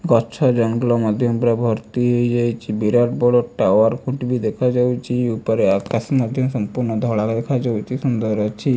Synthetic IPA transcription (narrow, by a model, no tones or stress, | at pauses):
ɡɔt͡ʃʰɔd͡ʒɔnɡulɔmad̪ʱjɔmpɾabʱɔɾt̪iɦojd͡ʒajt͡ʃʰibiɾaʈbɔɭoʈaoaɾkʰuʈbid̪ɛkʰad͡ʒawt͡ʃʰiupɔɾeakasmad̪ʱjɔmsɔmpuɾnɔd̪ʱɔɽakd̪ekʰad͡ʒawt͡ʃʰisund̪ɔɾɾɔt͡ʃʰi